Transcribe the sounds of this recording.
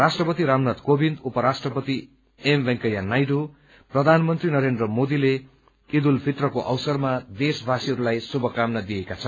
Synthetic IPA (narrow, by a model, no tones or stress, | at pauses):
rasʈrʌpʌt̪iɾamnʌt̪kobind̪upʌɾasʈrʌpʌt̪i | embʌŋkʌjanajɖu | prʌd̪ʱanmʌnt̪rinʌɾend̪rʌmod̪ile | id̪ulpʰiʈrʌkoʔʌwsʌrmad̪esbʱasiɦʌɾulajsubʱʌkamnʌd̪ijekat͡sʰʌn